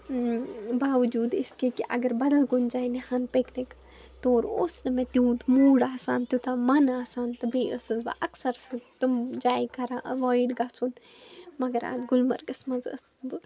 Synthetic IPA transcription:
baːʋd͡ʒuːd̪ɪskekiʔɐ̰ɡɐɾbɐd̪ɐlɡund͡ʒaːjnihɐnpeknik | t̪oːɾoːsnɐmẽt̪juːd̪muːɽaːsaːnt̪jut̪amɐnaːsaːnt̪ɨbeːəsɨzbɐ̰ʔɐksɐɾsɨɡt̪umd͡ʒaːjkɐɾãʔɐʋaːjɖɡɐːt͡sʰun | mɐɡɐɾa̰ːd̪ɡʊlmɐɾɡɐsmɐzə̰sɨ̥zbɨ

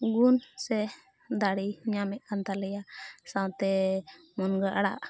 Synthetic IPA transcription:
ɡunsɛ | d̪aɽiɲamɛʔ̚kant̪alɛjasãwt̪ɛmɔnɡəʔaɽa̰ʔ

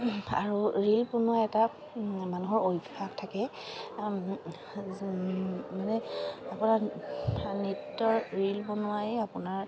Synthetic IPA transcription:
a̰ɹuɹilponʊajɛta | manuɦɔɹojbak̚tʰakɛ | manɛapunaɹ | nitːɔɹɹilponʊajapʊnaɹ

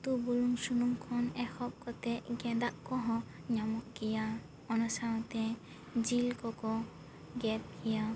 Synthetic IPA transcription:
t̪ubuluŋsunuŋkʰɔnɛkʰɔp̚kɔt̪ɛɡɛ̃d̪aʔkɔɦɔ̃ | ɲamɔʔɡija | ɔnɔsaɔ̃t̪ɛ | d͡ʒilkɔkɔ | ɡɛp̚ɡija

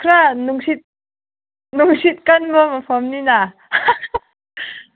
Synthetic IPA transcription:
kʰɾanuŋsit̪̚ | nuŋsit̪̚kanbəmapʰɔmnina

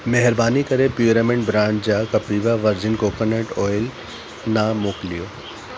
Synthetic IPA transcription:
meɦɪɾbaːnikɐɾepjuːɾamẽɳʈbɾãːɳd͡ʑd͡ʑaːkɐpiːʋaʋɐɾd͡ʑɪnkoːkɐnəʈɔːjɪl | namoːklijoː

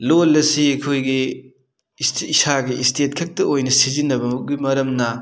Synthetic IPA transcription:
lolɐsiɐjkʰojɡi | sːsaɡiistʰet̚kʰɐk̚tɐojnɐsizinːɐbɐmuɡimɐɾɐmnɐ

